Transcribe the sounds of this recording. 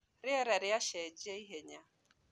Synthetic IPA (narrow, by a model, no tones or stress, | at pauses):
ɾɪeɾeɾɪaʃed͡ʒeiɦeɲa